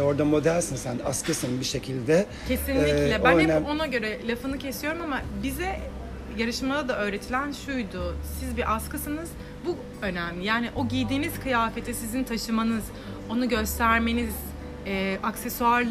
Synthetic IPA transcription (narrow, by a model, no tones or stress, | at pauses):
o̞ɾd̪amo̞d̪ælʲsinsæna̰skɯsɯnbiʃe̞cʰilʲd̪ɛ | cʰe̞sinlʲːiclʲɛbænɛno̞naɟø̞ɾɛlʲafɯnɯcʰe̞sijo̞ɾumamabizɛ | jaɾɯʃmalˠad̪aø̞ːɾe̞t̪ʰilʲænʃujd̪ʊsizbiʔaskɯsɯnɯz̥ | bu | ø̞næmlʲijaːniʔo̞ɟijd̪iːniz̥kʰɯjaːfe̞t̪ʰisizint̪ʰaʃɯmanɯz̥ | o̞nuɟø̞st̪ʰæɾme̞niz̥ | ɛʔaksesuaɾ